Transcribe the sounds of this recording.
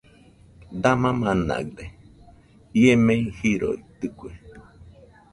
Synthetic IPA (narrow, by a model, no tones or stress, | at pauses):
d̪amãmãna̰ɡd̪e | iemẽihiɾo̰it̪ɨkʷue